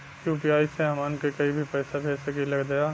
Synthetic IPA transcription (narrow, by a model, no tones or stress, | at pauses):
kjuːpiaːiseamaːnkekɐibʱipɛːsapɛːsekilɐɡd̪ɐjaː